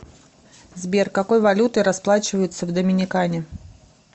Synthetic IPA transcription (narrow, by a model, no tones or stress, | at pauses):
zbʲerkɐko̞jvɐlʲut̪ɨɾɐsplˠat͡ɕɪvəjʊt̪səvd̪əmʲɪnʲɪkanʲɪ